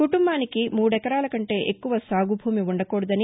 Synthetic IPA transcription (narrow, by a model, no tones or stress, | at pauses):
kuʈumbaːnikimuːɽɛkɐɾaːlɐkɐɳʈe̞ːʔekːuʋɐsaːɡubʱuːmiuɳɖɐkoːɽud̪ɐni